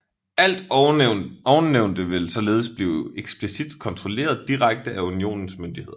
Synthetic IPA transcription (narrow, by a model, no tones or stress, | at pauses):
æl̰d̥ | ɒʊneʊ̰nd̥əʋe̝lsɒ̽le̝ːð̞̩ˠsb̥liːʊeɡ̥sb̥lisid̥kʰɒ̽nt͡sʰʁo̝le̝̰ːɐð̞ˠd̥iʁaɡ̥̚d̥əʔæunio̝̰ːnn̩smynd̥ihe̝ðˠ